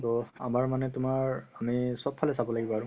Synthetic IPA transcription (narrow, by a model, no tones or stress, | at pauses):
tɔa̰maɹmanɛtʊmaɹamisɔp̚pʰːalɛsabɔlaɡibɔaɹu